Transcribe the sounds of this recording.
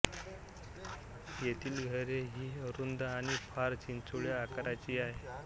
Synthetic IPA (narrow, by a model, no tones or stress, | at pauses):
jet̪iːlɡʱəɾeɦiːəɾund̪aɽ̃ifʰaɾt͡ɕint͡suɭjaːkaɾat͡ɕiːaɦe